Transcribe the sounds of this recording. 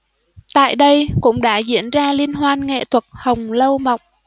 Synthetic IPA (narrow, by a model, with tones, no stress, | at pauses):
t̪a̰ː˧˨jɗə˧jkʊ̰˧˥ŋ͡mɗa̰ː˧˥zḭ˧˥ənzaː˧li˧ənɦwaː˧nŋḛ˧˨t̪ʰwə˨˩t̚hə˨˩wŋ͡mlə˧wma˨wŋ͡m̚